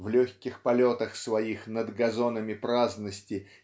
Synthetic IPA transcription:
vlʲɵçʲkʲɪxpɐlʲot̪əxsvɐixnəd̪ɡɐzo̞nəmʲɪpɾaznəsʲtʲɪ

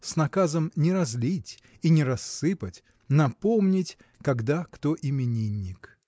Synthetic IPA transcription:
snɐkazəmnʲɪɾɐzlʲitʲ | inʲɪɾɐsːɨpətʲ | nɐpomnʲɪtʲ | kɐɡd̪akt̪oʔɪmʲɪnʲinʲːɪk

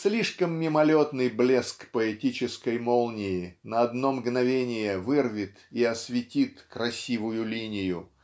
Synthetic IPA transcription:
slʲiʂkəmːʲɪmɐlʲot̪nɨjblʲeskpəɛtʲit͡ɕɪskəjmolˠnʲɪɪnəɐd̪no̞mɡnɐvʲenʲɪjəvɨrvʲɪt̪iɐsvʲɪtʲit̪kɾɐsʲivʊjʊlʲinʲɪjʊ

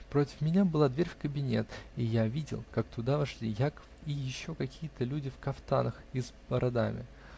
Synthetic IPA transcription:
pɾotʲɪ̥fmʲɪnʲabɨlˠad̪vʲeɾʲfʲkəbʲɪnʲe̞t̪ijavʲidʲɪ̰lˠkakt̪ʊd̪avɐʂlʲijakə̥fijɪɕːo̞kɐkʲijət̪əlʲudʲɪfkɐft̪a̰nəxɪzbəɾʔɐd̪amʲɪ̰

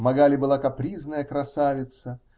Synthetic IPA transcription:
mɐɡalʲɪbɨlˠakɐpɾʲiznəjəkɾɐsavʲɪt̪sə

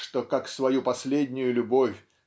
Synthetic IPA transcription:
ʂt̪okaksvɐjupɐsʲlʲedʲnʲʊjʊlʲʊbo̞fʲ

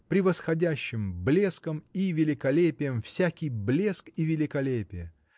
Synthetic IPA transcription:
pɾʲɪvəsxɐdʲæɕːɪmblʲe̞skəmivʲɪlʲɪkɐlʲepʲɪjəmfsʲækʲɪjblʲe̞skivʲɪlʲɪkɐlʲepʲɪjə

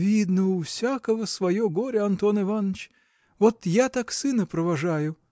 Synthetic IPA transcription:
ʋʲid̪nɐʊwsʲakɔɦɔsʋɐjɔɣɔɾʲɐɐnt̪ɔnɪʋɑnt͡ʃ | ɔt̪jat̪ɑksɪnɐpɾɔʋɐʒɑjʊ

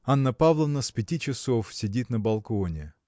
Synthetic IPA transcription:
anːəpavlˠəvnəspʲɪtʲit͡ɕɪsofsʲɪdʲit̪nəbɐlˠkonʲɪ

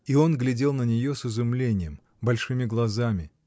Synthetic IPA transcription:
io̞nɡlʲɪdʲe̞lˠnənʲɪjo̞sɨzʊmlʲenʲɪjəm | bɐlʲʂɨmʲɪɡlˠɐzamʲɪ

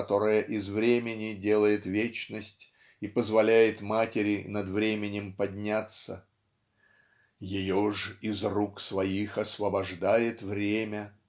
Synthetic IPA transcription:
ɐt̪o̞ɾəjəʔɪzvɾʲemʲɪnʲɪdʲe̞lˠəjɪt̪vʲet͡ɕnəsʲtʲ | ipəzvɐlʲæjɪt̪matʲɪɾʲɪnɐd̪vɾʲemʲɪnʲɪmpɐdʲnʲat̪sə̰ | jɪjoʐɪzruksvɐixɐsvəbɐʐd̪ajɪt̪vɾʲemʲə

